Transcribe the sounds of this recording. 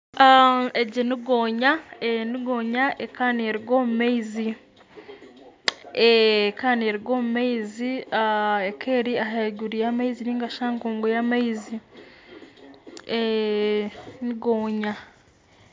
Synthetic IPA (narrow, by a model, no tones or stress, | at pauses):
aeɟiniɡoːɲaeniɡoːɲaʔekanieɾiɡomumaizi | ekaːneɾiɡoːmumaiziaekʰeɾiaɦaɡuɾijamaiziniːŋɡaʃaŋkuːŋɡujamaizi | e | niɡoːɲa